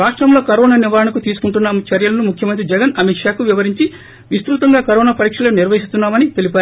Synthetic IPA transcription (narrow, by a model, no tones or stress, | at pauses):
ɾaːʂʈɾɐmlo̞ːkɐɾoːnaːniʋaːɾɐnɐkut̪iːsu̥kuɳʈunːaːmut͡ʃɐɾjɐlɐnumukʰjɐmɐnt̪ɾid͡ʒɛɡɐnɐmiːkʂaːkuʋiʋɐɾiɲt͡ʃi | ʋist̪ɾuːt̪ɐŋɡaːkɐɾoːnaːpɐɾiːkʂɐloniɾʋɐɦist̪unːaːmɐnit̪e̞lipaːɾ